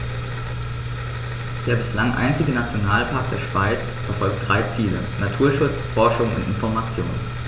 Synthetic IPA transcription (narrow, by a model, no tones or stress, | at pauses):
d̥eːɐbɪslaŋʔa̰ɪnt͡sɪɡənat͡sjonaːlpʰaɐk̚d̥eːɐʃv̥aɪt͡s | fɛɐfɔlk̚t̚d̥ʁaɪt͡siːlə̰natʰuːɐʃʊt͡sfɔɐʃʊŋʊ̰ntɪnfɔɐmat͡sjo̰ːnən